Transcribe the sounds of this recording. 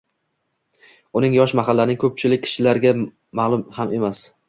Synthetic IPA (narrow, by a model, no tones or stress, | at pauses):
ʊnɪŋjɒʃmaɦalːanɪŋkʰɵp̚t͡ʃʰɪlɪk̚ʲːʰɪ̥ʃɪlaɾɡʲa | malˠʊmhame̞mas